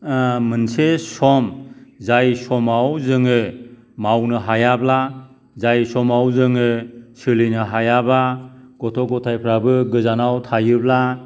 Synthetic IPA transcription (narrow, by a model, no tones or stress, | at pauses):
mɯnsesɔmzajsɔmawzɯŋɯ | mawnɯɦajabla | zajsɔmawzɯŋɯsɯlinɯɦajabaɡ̥ɔtʰɔɡɔtʰajpʰɾabɯɡɯzanawtʰajɯbla